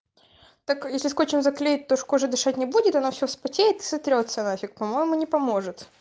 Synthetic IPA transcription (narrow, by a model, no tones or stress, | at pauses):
t̪ɐkjesʲlʲɪskot͡ɕɪmzɐklʲejɪt̚ʲt̪oʂkoʐɨd̪ɨʂat̚ʲnʲɪbudʲɪt̪ɐnofsʲofspɐtʲejɪt̪ɨ̥sɐt̪ɾʲot̪sɐnafʲɪk̚pɐmo̞jɪmʊnʲɪpɐmo̞ʐɨt̪